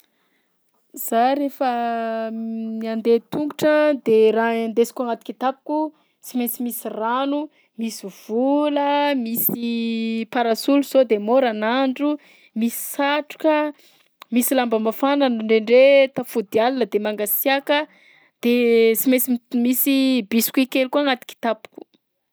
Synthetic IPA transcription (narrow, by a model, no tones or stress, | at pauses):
z̥aɾefə | miand̪et̪uŋɡuʈ͡ʂəd̪eɾaend̪esi̥kuaŋat̪ukʲit̪apu̥ku | t͡simet͡simisiranu | misiv̥uləmisipaɾasuluz̥od̪emoɾanaɳɖ͡ʐu | misi̥saʈ͡ʂu̥kə | misilambəmafananɳɖ͡ʐeɳɖ͡ʐet̪afud̪ialinəd̪emaŋɡasiakə | d̪̥et͡simet͡simisibisi̥kʲuikelkuaŋat̪i̥ki̥t̪apu̥ku̥